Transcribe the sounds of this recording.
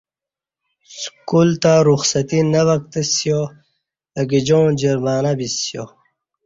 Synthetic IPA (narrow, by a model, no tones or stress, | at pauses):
skult̪aɾuxsɐt̪inɐʋɐk̚t̪əsjo | ɐɡid͡ʑõːd͡ʑiɾmaːnabisjo